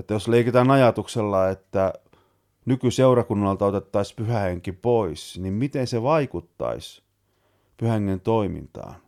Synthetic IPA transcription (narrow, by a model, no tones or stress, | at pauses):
et̪ːæjosleikit̪ɑːnɑjɑt̪ukselːɑet̪ːæ | nykyseurɑkunːɑlt̪ɑot̪et̪ːɑispyhæheŋkipoisnimmit̪enseʋɑikut̪ːɑ̰is | pyhæheŋːent̪oimḭnt̪ɑ̰ːn